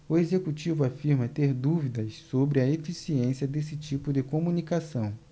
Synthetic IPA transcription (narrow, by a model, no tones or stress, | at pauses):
ʊezekut͡ʃivʊafiɾmɐt̪eɾd̪uvid̪ɐssobɾɪɐefisiẽsiɐd̪esɪt͡ʃipʊd̪ɪkomunikasɐ̃w̃